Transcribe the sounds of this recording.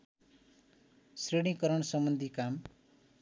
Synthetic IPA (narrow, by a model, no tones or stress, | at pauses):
sreɽĩŋkʌɾʌɳsʌmbʌnd̪ʱikam